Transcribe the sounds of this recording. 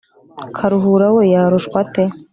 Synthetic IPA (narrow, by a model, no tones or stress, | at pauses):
kʰaɾuɦuɾawejaːɾuʃkwate